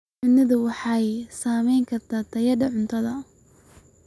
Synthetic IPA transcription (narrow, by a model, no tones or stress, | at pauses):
ʕʊnɐðʊwɑħɑjsaːmɛjŋkʰɐrt̪ʰaːt̪ʰɐjɐɖɐʕʊnt̪ʰɐðɐ